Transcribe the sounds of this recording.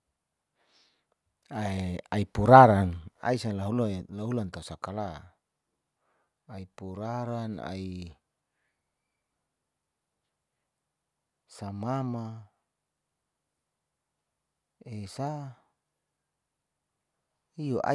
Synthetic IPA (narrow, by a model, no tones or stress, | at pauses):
aaipuɾaɾana̰isalaɦulalaɦulant̪ausakala | aipuɾaɾana̰i | samama | esa | ijoʔa̰